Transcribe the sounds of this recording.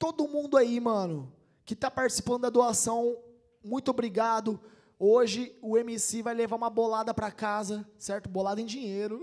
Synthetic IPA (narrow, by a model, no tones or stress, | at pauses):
t̪od̪ʊmũnd̪ʊaimɐ̃nʊ | kɪt̪apaɾt͡ʃi̥si̥pɐ̃nd̪ʊd̪ɐad̪oasɐ̃w̃ | mũj̃t̪ʊobɾiɡad̪ʊ | oʒɪʊemisevajlevaũmɐbolad̪ɐpɾɐkazɐsɛɾt̪ʊbolad̪ɐẽd͡ʒĩɲejɾʊ